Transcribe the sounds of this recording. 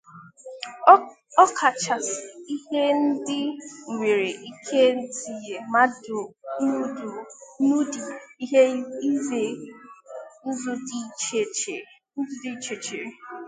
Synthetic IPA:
ɔ˦kʰa˨t͡ʃa˨sɪ˨i˦ɦe˦n̩˦dɪ˦ŋ̩˨ŋʷe˨ɾe˨ʔi˦kʰe˦˨zi˨je˨ma˦dʊ˨nu˦du˨nu˦di˨i˦ɦe˦i˦ze˨ | n̩˦zʊ˦di˨t͡ʃe˨t͡ʃe˨ | n̩˦zʊ˦di˦t͡ʃe˨t͡ʃe˨ɾe˨

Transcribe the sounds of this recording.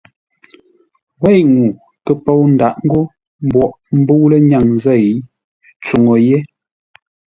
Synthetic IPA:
wɛ˦˨jŋu˨ | kə˨po˦˨wn̩˦da˨ʔŋ̩˦ɡo˦ | m˦bwɔ˨ʔ | m̩˦bu˦lə˦ɲa˨ŋzɛ˦˨j | t͡su˨ŋo˨je˦

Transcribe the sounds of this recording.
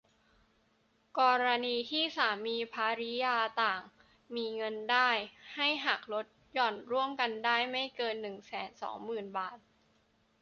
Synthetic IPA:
kɔː˧ɾa˧niː˧t̪ʰiː˥˩saː˩˦miː˧pʰaː˧ɾi˦˥jaː˧t̪aː˨˩ŋ | miː˧ŋɤ˧ndaː˥˩jha˥˩jɦa˨˩k̚lo˦˥t̪̚jɔ˨˩nɾu˥˩əmka˧ndaː˥˩jma˥˩jkɤː˧nːɯ˨˩ŋsɛː˩˦nsɔ̰ː˩˦ŋmɯː˨˩nbaː˨˩t̪̚

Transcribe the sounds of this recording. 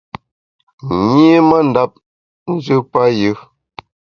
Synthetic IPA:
ɲe˦ma˦n̩˨da˦p̚ | n̩˦d͡ʒɨ˦pa˦jɯ˦

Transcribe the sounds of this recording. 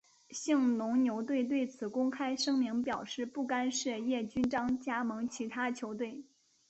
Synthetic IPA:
ɕi˥˩ŋnʊ˧˥ŋnjo˧˥ʊt̪we˥˧ɪt̪we˥˩ɪt͡sʰɹ̩˨˩kʊ˥ŋkʰa˥ɪʂɤ˥ŋmi˧˥ŋpjɑ˨˩ʊʂɻ̩˥˧pu˥˩ka˥nʂɻ̩˥˧jɛ˥˩t͡ɕy˥nʈ͡ʂɑ˥ŋt͡ɕja˥mɤ˧˥ŋt͡ɕʰi˧˥t̪ʰa˥t͡ɕʰjo˧˥ʊt̪we˥˩ɪ

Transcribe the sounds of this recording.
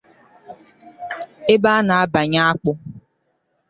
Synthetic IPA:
e˦ba˦na˨a˦ba˨ɲa˦a˦k͡pʊ˦

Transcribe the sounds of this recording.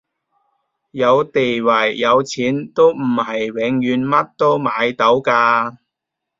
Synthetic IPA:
jɐ˨˧wt̪e˨jwɐ˨˩jːɐ˨˧wt͡sʰiː˨˥nt̪o˥wm̩˨˩hɐ˨jwɪ˨˧ŋjyː˨˧nmɐ˥t̚t̪o˥wmaː˨˧jt̪o˨˥wkaː˧

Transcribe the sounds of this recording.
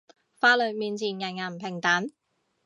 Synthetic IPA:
faː˧˥lɵ˨˩miː˧nt͡sʰiː˨˩nŋɐ˨˩nŋa˨˩m̩˨pʰɪ˨˩ŋt̪a˨˥n

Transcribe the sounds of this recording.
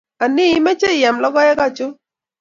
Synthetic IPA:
a˨nɪ˦mɛ˦t͡ʃe˦˨ja˨mlɔ˦ɡɔ˦jɛ˦ka˦t͡ʃʊ˦

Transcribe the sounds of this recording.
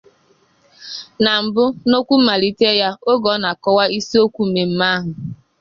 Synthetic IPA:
na˨m̩˨bʊ˦no˦kʷu˦ma˨li˦te˦ja˦o˦ɡɔ˨˦na˨kɔ˦wa˦i˦si˦o˦kʷu˦˨me˨m̩˨˦ma˦ɦʊ˨

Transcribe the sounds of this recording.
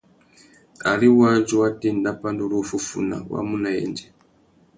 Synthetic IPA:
a̰˨ɾi˦wa˦nd͡ʒu˦wa˦ti˦nda˦pa˦ndu˦lufu˦fṵ˨na̰˨wa̰˦mu˦na˨jɛ̰ːnd͡ʒɛ˨

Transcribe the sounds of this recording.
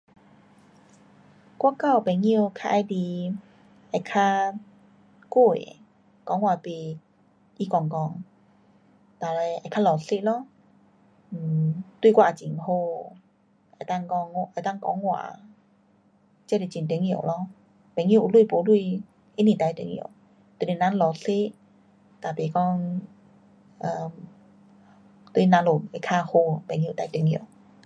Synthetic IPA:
kwa˦˨ka˥˧˨wpɛ˨˩ŋjkʰa˧ʔa˧jd̪i˧˩ | a˨˩jkʰa˧ | ko˥˧˩ḛ˨ | kɔ˨˧˦ŋwa˨˩pe˨˩ | ʔi˧˦kɔ˧˩ŋkɔ˧˩ŋ | t̪a˨˩la˧˩a˧˨˩jkʰa˧lɔ˨˩se˦lɔ˧˦˨ | t̪wui˥˧kwa˥˧˨a˨˩t͡ɕi˨˩ŋho˧ | ʔa˨t̪a˥˧˨ŋkɔ˧ŋ˧ʔa˨t̪a˥˨ŋkɔ̰˧˦ŋwa̰ː˨ | t͡ɕa˧˦˧de˧˨˩t͡ɕi˨nt̪e˧˨˦ŋĩ˧˨ə̰˨wlɔ˧˥˨ | pɛ˨ŋĩ˧˨ʔu˨˧˨lwu˧˨po˨˧˦lu˥˧˨ | ʔe˧˦nĩ˨˩t̪a˧˨jt̪ḛ˧˨˦ŋḭ˧˩˨ | t̪e˧˦˨ne˧˩˨nã˧˦nlɔ˨˩ɬe˦ʔ | t̪a˨˩pe˨˩kɔ˧˥˨ŋ | ʔə˧m | t̪we˧˦nã˧˦nlo˨˩a˧˩kʰa˥˧ho˧pɛ˨ŋi˧˨t̪a˧˦t̪ə˨˦ŋĩ˧˨ə˨

